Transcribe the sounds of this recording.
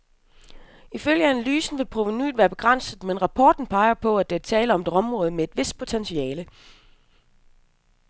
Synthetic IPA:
iføl̰jəænælyːsn̩ʋe̝lpʰʁo̝ʋiny̰ːdʋæːɐb̥e̝ɡ̥ʁan̰sð̩ˠmenʁɑ̈pʰɒːd̥n̩pʰɑ̈ɪɐpʰɒ̽æd̥et͡sʰɛːləɒ̽med̥ɒ̽mʁɔ̽ːð̞̩ˠmee̝d̥ʋe̝sd̥̚pʰo̝t͡sʰensiɛːlə

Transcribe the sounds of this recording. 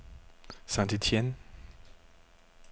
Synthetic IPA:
sãnt̪itʰjɛn

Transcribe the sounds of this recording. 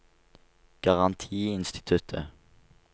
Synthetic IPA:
ɡ̥ɑʁɑnt̪ʰiːɪnst̪ɪ̥t̪ʰʉt̪ʰə

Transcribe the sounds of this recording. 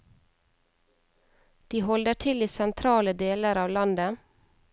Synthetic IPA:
d̪̥iːhɔld̪əʈʰɪliːsɛnt̪ʰɾɑːləd̪eːləɾɑːʋlɑnd̪ə

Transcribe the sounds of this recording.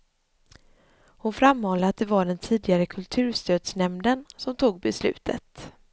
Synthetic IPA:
hʊnfɾamːɔːlːəat̪̚d̪ɛvaɖɛnt̪ʰiːd̪ɪɡaɾəkʰɵlt̪ʰʉ̟ːʂt̪øːd̪snɛmd̪ənsɔmt̪ʰuːɡ̚bɛslʉ̟̰ːt̪ʰə̰t̪

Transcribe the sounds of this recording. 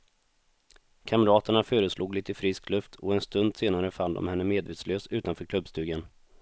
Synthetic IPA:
kʰamɾɑːt̪əɳaføːɾəsluːɡliːt̪əfɾɪsklɵft̪ʰɔɛnst̪ɵnd̪seːnaɾəfand̪ɔ̰mhɛnːəmeːd̪veːt̪sløːsʉ̟ːt̪anfœːɾkʰlɵbst̪ʉ̟ːɡən

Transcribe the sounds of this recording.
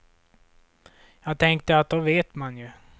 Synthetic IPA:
jɑːɡ̚t̪ʰɛŋk̚t̪əat̪̚d̪ɔveːt̪manjɵ

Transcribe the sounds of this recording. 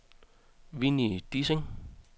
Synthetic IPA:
ʋinid̪̥iseŋ

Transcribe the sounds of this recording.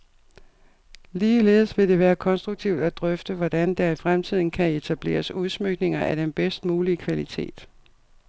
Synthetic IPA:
liːle̝̰ːðˠsʋe̝d̥e̝ʋæːɐkʰɒ̽nsd̥ʁuɡ̚t͡sʰiʊd̥æd̥ʁœfd̥əʋɒd̥ænd̥ɑifʁamt͡sʰið̰ˠn̩kʰæe̝t͡sʰæb̥le̝̰ːɐsuðˠsmøɡ̥ne̝ŋɐʔæɾ̥enb̥esd̥muːliəkʰʋælit͡sʰe̝̰ːd̥

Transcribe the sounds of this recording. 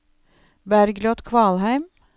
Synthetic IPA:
bæɾɡlɔt̪kʰʋɑːlhæɪm

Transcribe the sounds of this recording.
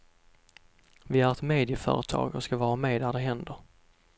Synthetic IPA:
vɪæɾɛt̪meːd̪ɪfœ̰ːɾət̪ʰɑ̰ːɡɔ̰skavɑːɾameːd̪æɖɛɦɛnd̪əɾ

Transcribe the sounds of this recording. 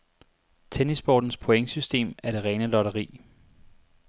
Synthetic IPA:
t͡sʰenisb̥ɒ̰ːd̥n̩spʰoeŋəsysd̥e̝̰ːmæɐɾ̥e̝ʁɛːnəlɒɾɐʁḭː

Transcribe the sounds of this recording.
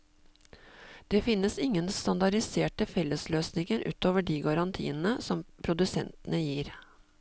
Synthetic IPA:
d̪̥eːfɪnːəsɪŋːənst̪ɑnd̪ɑɖɪseːʈəfɛlːəsløːsnɪŋəɾʔʉ̰ːt̪oːʋəɖiːɡɑɾɑnt̪ʰḭːənn̩əsɔmpʰɾʊd̪ʉsɛ̰nt̪ənəjiːɾ

